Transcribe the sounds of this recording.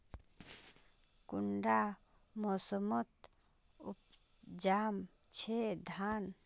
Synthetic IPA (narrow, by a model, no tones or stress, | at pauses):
kuɳɖa | mɔsəmɔt̪ | ṵp | d͡ʒam | t͡ʃʰed̪ʱan